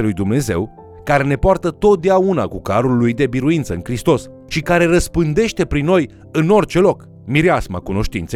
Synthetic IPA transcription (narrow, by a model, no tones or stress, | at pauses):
lujd̪umne̞ze̞w | kaɾe̞ne̞poart̪ət̪o̞t̪̚d̪eauna̰kukaɾulːujd̪e̞biɾuint̪səɨnkɾist̪o̞s | ʃikaɾe̞rəspɨnd̪e̞ʃt̪e̞pɾinːo̞j | ɨno̞rʲt͡ʃe̞lo̞k | miɾeasma̰kuno̞ʃt̪ḭnt̪se